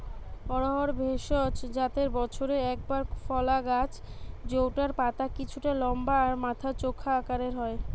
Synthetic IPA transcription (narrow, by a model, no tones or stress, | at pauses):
ɔɾoɦoɾbʱeʃot͡ɕd͡ʑat̪eɾbɔt͡ɕʰoɾeɛk̚baɾfɔlaɡat͡ɕ | d͡ʑowʈaɾpat̪akit͡ɕʰuʈalɔmbaːɾmat̪ʰat͡ɕokʰːaːkaɾeɾɦɔe